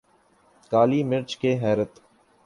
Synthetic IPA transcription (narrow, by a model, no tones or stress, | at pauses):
kaːliːmɪɾt͡ʃkeːɦɛːɾət̪